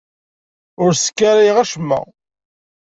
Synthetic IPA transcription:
ʊɾsə̥kːaɾæjʁæʃmːæ̰

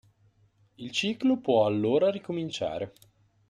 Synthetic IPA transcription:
ilt͡ʃiːklopwɔalːoːɾaɾikomint͡ʃa̰ːɾe

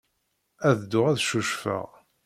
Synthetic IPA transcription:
æðd̪ʊʁæðʃuʃfə̰ʁ

